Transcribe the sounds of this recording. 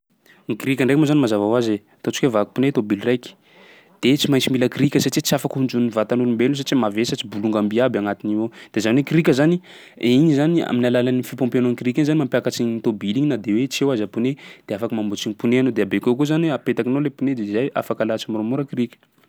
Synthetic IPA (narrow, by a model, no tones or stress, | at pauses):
ŋikiɾikʲəɳɖ͡ʐekmozanimazavawazeat̪ot͡ʃi̥kevaku̥punet̪obilrajki̥ | d̪̥et͡simajnt͡similəkɾikʲəsaʈ͡ʂit͡siafakhund͡ʒuninivat̪anulumbelunos̬at͡ʃimavesat͡ʃibuluŋɡambiabaŋat̪iniod̪̥ezanekiɾikʲəzani | iɲizania̰minalalanifipɔ̃mpianonkiɾikʲinzanimampjakat͡ʃiɲit̪obiliɲinad̪ewet͡sewazapuned̪̥eafakəmambut͡siɲipuneanod̪eabekewkuzanapet̪akinolepuned̪eizajʔa̰fakalat͡simaɾomuɾəkirikʲə̥